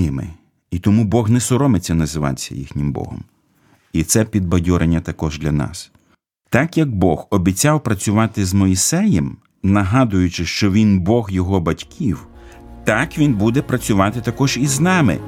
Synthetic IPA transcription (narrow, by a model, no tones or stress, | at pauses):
ɪmɪ̰ | it̪ɔmubɔɣnɛsɔɾɔmɪt͡sʲːɐnɐzɪʋɑ̰t͡sʲːɐ̰jḭxnʲɪmbɔ̰ɦɔ̰m | it̪sɛpʲid̪̚bɐdʲɔɾʔenʲːɐt̪ɐkɔʒd̪lʲɐnɑ̰s | t̪ɑkjɐɡ̚bɔxɔbʲit͡sʲawpɾɐt͡sʲʊʋɑt̪ɪzmɔjisɛjɛm | nɐɦɑd̪ʊjʊt͡ʃɪʃt͡ʃɔʋʲinbɔɣjɔɦɔbɐtʲkʲʰiw | t̪ɑkʋʲinbud̪ɛpɾɐt͡sʲʊʋɑt̪ɪt̪ɐkɔʒiznɑmɪ̰